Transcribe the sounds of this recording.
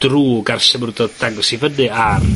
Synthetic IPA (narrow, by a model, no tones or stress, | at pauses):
d̥ruːɡarʃɛmrdɔdd̥aɡɔsivənɨar